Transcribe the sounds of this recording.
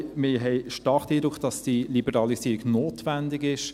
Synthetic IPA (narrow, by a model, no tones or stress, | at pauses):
mɪɦɛɪʃtɑːɾχd̥̪iːd̪ɾʊkʰχd̥ɑsd̥ilibəɾɑlisiːɾiɡnoːtʋændɪɡɪʃ